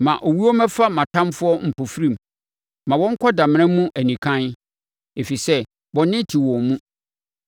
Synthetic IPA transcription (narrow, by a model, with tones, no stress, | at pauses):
mã˨ʔo˨wi˦ɔ˦mɛ̃˦fa˦mã˨tʰã˦mfʊ˦ɔ˦m̩˨pʰo˨fɾĩ˦˨m | mã˨wɔ̃˦ŋ̩˦kʷʰɔ˦da˨m̃˦ɾ̃ɛ̃˦mũ˦ʔæ˨nĩ˨kʰã˦n | e˨fi˨sɛ˦ | wɔ̃˨nɪ̃˦tʰi˨wɔ̃˨mũ˦